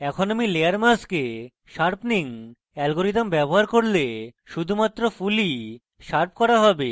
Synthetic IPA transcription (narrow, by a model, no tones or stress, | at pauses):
ɛkʰonamileaɾmaske | ʃaɾpʰniŋ | ɛlɡoɾit̪ambɛboɦaɾkoɾleʃud̪ʱumat̪ːɾofuli | ʃaɾp̚kɔɾaɦɔbe